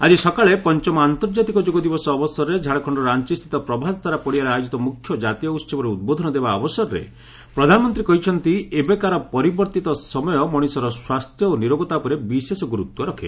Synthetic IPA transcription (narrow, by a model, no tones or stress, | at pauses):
ad͡ʒisɔkaɭepɔnt͡ʃɔmɔant̪ɔɾd͡ʒat̪ikɔd͡ʒoɡɔd̪ibɔsɔːbɔsɔɾɔɾed͡ʒʱaɽɔkʰɔɳɖɔɾant͡ʃist̪ʰi̥t̪ɔpɾɔbʱast̪ʰaɾapɔɽiaɾaajod͡ʒit̪ɔmukʰːjɔd͡ʒat̪ijɔut̪st͡ʃʰebɔɾeud̪̚bod̪ʱɔnɔd̪ebaɔbɔsɔɾɔɾḛ | pɾɔd̪ʱanɔmɔnt̪ɾikɔɦit͡ʃʰɔnt̪iebekaɾɔpɔɾibɔɾt̪it̪ɔsɔmɔjɔmɔɽ̃isɔɾɔswast̪ʰjɔoniɾoɡɔt̪apɔɾebisesɔɡuɾut̪wɔɾɔkʰe